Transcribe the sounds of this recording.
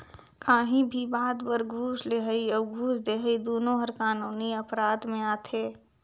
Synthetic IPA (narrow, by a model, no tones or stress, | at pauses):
kaːɦĩbʱibaːd̪bəɾɡʱuːʃleːɦəiɔːɡʱuːsd̪eːɦəid̪oːnõɦɐɾkaːnuːniɐpɾaːd̪mẽaːt̪ʰeː